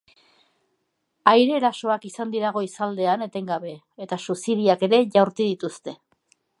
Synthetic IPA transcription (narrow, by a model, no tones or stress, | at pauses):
ajɾe̞ːɾaso̞akisand̪iɾaɣ̞o̞isald̪e̞ane̞t̪e̞ŋɡaβe̞ | et̪asusiðiake̞ɾe̞ʝawɾt̪uð̞it̪ust̪e̞